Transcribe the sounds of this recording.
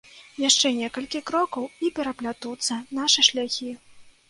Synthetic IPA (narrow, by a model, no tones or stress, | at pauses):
jaʂt͡ʂɛnʲɛkɐlʲkʲikɾɔkɐwipʲɛɾɐplʲat̪ut̪sːɐnaʂɨʂlʲaxʲi